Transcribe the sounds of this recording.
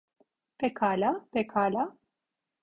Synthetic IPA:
pekʰaːlapekʰaːla

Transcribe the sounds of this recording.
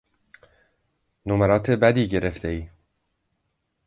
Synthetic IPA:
nomæɾɒːt̪ʰe̞bæd̪iːɟe̞ɾe̞ft̪ʰeiː

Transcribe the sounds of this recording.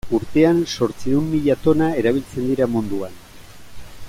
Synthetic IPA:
uɾt̪e̞anso̞ɾt͡siðunmiʎat̪o̞nae̞ɾaβ̞ilt͡se̞nd̪iɾamund̪uan

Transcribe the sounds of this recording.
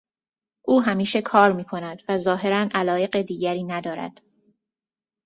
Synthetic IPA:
ʔuːɦæmiːʃe̞kʰɒːɾmiːkʰo̞næd̪væzɒːɦe̞ɾænʔælɒːje̞ɢed̪iːɟæɾiːnæd̪ɒːɾæ̰d̪̥

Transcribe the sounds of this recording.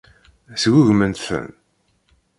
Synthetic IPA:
swuʝmənt̪θə̰n

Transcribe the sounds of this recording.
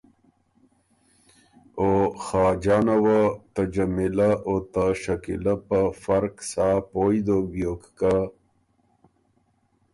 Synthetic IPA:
oxɑːd͡ʒɑːnawat̪ad͡ʒamɪlaʔot̪aʃakḭlapəfaɾksaːpojd̪objokka

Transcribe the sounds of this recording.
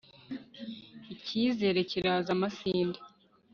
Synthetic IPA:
iciːze̞ːɾe̞ciɾaːzamasiːnde

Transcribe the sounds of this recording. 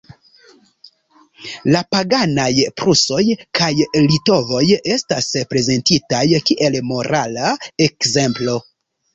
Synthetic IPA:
lapaɡanajpɾuso̞jkʰajlito̞vo̞je̞staspɾe̞ze̞ntitajkiʔe̞lmo̞ɾalae̞kze̞mplo̞

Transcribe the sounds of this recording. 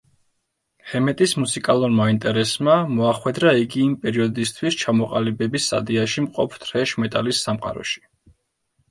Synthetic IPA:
hɛmɛt̪ʼismusikʼalˠuɾmaint̪ʼɛɾɛsmamɔaχwɛd̪ɾaiɡiːmpʼɛɾiɔd̪ist̪ʰwist͡ʃʰamɔqʼalibɛbisa̰d̪iaʃimqʼɔ̰pʰt̪ʰɾɛʃmɛt̪ʼalisːamqʼa̰ɾɔ̰ʃi̥

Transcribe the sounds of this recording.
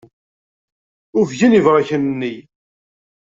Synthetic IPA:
ʊɾvʝinivʁaçənnːi

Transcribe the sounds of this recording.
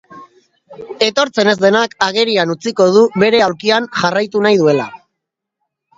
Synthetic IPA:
e̞t̪o̞ɾt͡se̞ne̞zd̪e̞nakaɣ̞e̞ɾianut͡siko̞ð̞uβe̞ɾe̞awɾkianʝarajt̪unajðue̞la̰

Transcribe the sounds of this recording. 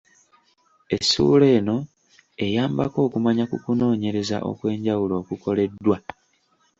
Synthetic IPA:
e̞̰sṵːle̞ːno̞ | e̞jaːmba̰ko̞ːkumaɲakukuno̞ːɲe̞ɾe̞za̰ʔo̞̰kwe̞ːɲɟawulo̞ːkuko̞le̞dːwa

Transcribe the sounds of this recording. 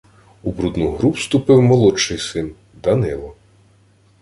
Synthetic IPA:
ubɾud̪nuɦɾupst̪ʊpɪwmɔlˠɔt͡ʃːɪjsɪn | d̪ɐnɪlˠɔ

